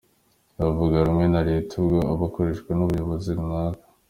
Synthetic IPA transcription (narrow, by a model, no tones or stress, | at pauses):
ɾavuɡaɾumŋe̞naɾetʰubɡoaβako̞ɾe̞ʃkwenuβujoβoziβunakḁ